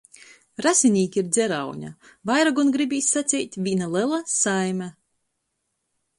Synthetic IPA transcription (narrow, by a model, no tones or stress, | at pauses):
ɾasʲinʲiːkʲiiɾd̪zʲɛɾawɲʲa̰vajɾaɡunɡɾibʲiːsʲːat̪sʲɛːt̪ʲvʲinalˠɛlˠasajmʲɛ